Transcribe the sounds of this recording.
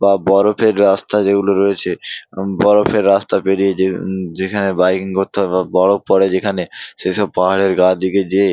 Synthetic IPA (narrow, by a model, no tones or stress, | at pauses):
babɔɾopʰeɾːast̪ad͡ʑeɡuloɾoet͡ɕʰebɔɾopʰeɾːast̪apeɽijed͡ʑed͡ʑekʰanebajkiŋkot̪ʰːababɔɽopɔɽed͡ʑekʰaneʃeʃɔb̚paɦaɽeɾɡad̪iked͡ʑe